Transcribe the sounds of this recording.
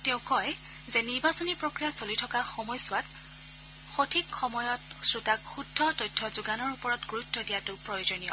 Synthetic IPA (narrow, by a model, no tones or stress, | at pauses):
tɛʊ̃kɔj | zɛniɹbasɔnipɹokɹijasolitʰɔkaxɔmɔjsʊwat | xotʰikxɔmɔjɔt̚ | sɹutakxudʱːɔtɔjtʰːɔzuɡanɔɹupɔɹɔtɡoɹutːɔdijatʊpɹɔjozonijɔ